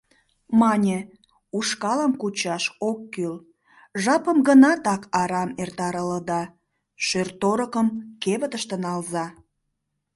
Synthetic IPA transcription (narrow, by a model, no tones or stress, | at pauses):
mɑnʲe | uʃkɑləmkut͡ɕɑʃokːyl | ʒɑpəmɡənɑt̪ɑkʰɑɾɑmert̪ɑɾələd̪ɑ | ʃørt̪oɾəkəmkeβət̪əʃt̪ənɑlzɑ